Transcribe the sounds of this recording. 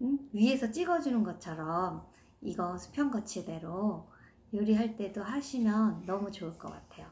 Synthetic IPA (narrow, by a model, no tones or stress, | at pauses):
ɯɥie̞sʰʌt͡ɕ͈iɡʌd͡ʑunɯnɡʌt͡ɕʰʌɾʌm | iɡʌnsʰu̥pʰjʌŋɡʌt͡ɕʰede̞ɾo | joɾiɦaɭt͈e̞doɦaɕʰimjʌnːʌmut͡ɕoɯɭk͈ʌk͈a̰tʰe̞jo